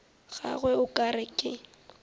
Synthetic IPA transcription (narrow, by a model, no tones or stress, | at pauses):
ɣa̰ɣwɛʊkʼaɾɪkʼɪ